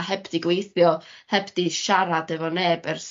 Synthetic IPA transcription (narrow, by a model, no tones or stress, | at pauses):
hɛbdiɡwejθjɔhɛbdiʃaɾadəvɔneːbɛrs